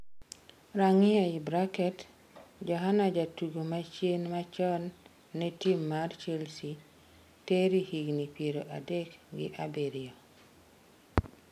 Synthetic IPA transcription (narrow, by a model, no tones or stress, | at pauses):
ɾaŋɪjaibɾakɛt | d͡ʒɔɦanad͡ʒatuɡomat͡ʃjenmat͡ʃɔnː | ɛtimːart͡ʃelsi | teɾihiɡnipjeɾoʔadɛkɡɪ̰ʔabeɾio